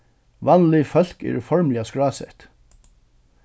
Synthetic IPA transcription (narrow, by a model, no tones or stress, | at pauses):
ʋɑnlʏfœl̥kɛ̰ɾfɔɹmlɪaskɹaɑːsɛ̰ht̪